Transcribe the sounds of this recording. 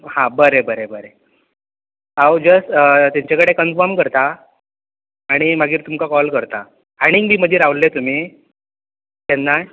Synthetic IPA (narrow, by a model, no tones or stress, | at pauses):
hãbəɾebəɾebəɾe | awd͡ʑəst̪aɲt͡ɕakəɽekənfɔɾmkəɾt̪a | ɽ̃imaɡiːɾt̪umkakɔlkəɾt̪a | aɽ̃iŋmiːm̤əd͡ʑʱiːɾaʋlːet̪um̤iː | t̪enːa